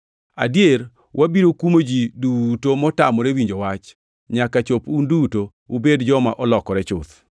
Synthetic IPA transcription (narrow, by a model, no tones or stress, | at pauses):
a̰djer | wʔabiɾokumod͡ʒidutomɔtamɔɾewiɲd͡ʒowat͡ʃ | ɲakat͡ʃopunduto | ubedd͡ʒɔmaʔɔlɔkɔɾɛt͡ʃʊt̪